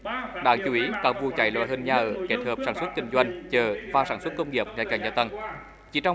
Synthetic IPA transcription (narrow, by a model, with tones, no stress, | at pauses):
ɗa̰ː˧˥t͡ɕu˨˦i˨˦kaː˦˥k̚vu˧t͡ɕa̰˧˩jlɔ̰˧˥hə˧nɲaː˧ʔəː˧˩ke˦˥t̚həː˨˩p̚saː˧˩nswə˦˥t̚k̪ï˧˩ŋ̟zwa˧jŋ̟t͡ɕəː˧˩vaː˧saː˧˩nswə˦˥t̚kə˧wŋ͡mŋi˨˩əp̚ŋaː˨˧˩kaː˧˩ŋɲaː˧t̪ə˧˩ŋ | t͡ɕi˧˩˦t͡ɕɔ˧w